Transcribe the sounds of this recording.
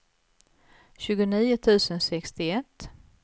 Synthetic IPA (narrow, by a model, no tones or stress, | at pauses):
ɕʉ̟ːɡʊniːʊt̪ʰʉ̟ːsənsɛkst̪ɪɛt̪ː